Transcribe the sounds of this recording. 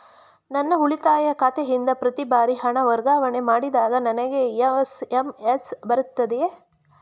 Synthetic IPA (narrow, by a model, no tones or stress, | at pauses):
nɐnːɐuɭit̪aːjɐkɐt̪eɦind̪ɐpɾɐt̪ibaːɾiɦɐɳɐʋɐɾɡaːʋɐɳemaːɽid̪aːɡɐnɐnɐɡeesemesbɐɾut̪ːɐd̪eje